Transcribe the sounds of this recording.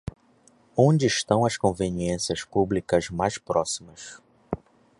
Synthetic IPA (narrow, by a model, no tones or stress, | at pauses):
õd͡ʒɪːʃt̪ɐ̃w̃ɐskõveniẽsiɐspublikɐzmajʃpɾɔsimɐs